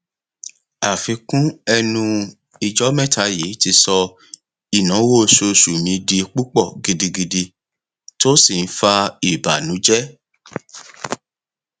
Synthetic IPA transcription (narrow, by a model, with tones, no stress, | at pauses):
a˨fĩ˨˧˦kũ˦ɛ˧nũ˧ | i˨d͡ʒɔ˨˦mɛ̃˦˨tʰa˧˦je˨˦ti˧sɔ˧ | i˨nɔ̃˨˦wo˦˨ʃo˧˨ʃu˨mĩ˨˧˦di˧k͡pu˦k͡pɔ˦˨ɡi˨di˧ɡi˧di˧ | to˦si˦˨n̩˦fa˧i˦˨ba˨nũ˨˦d͡ʒɛ˦